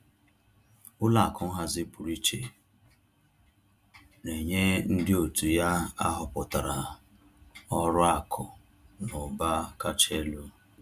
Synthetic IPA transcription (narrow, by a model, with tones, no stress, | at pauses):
ʊ˦la˨kʰʊ˦ŋ̩˦ɦa˨zɪ˦pʊ˨ɾi˦t͡ʃe˨ | ne˨ɲe˦n̩˦dɪ˦o˨tu˨ja˦a˦ɦʊ˨pʊ˨ta˨ɾa˨ | ɔ˦ɾʊ˦a˨kʰʊ˨ | nʊ˨ba˦ka˦t͡ʃe˦lo˦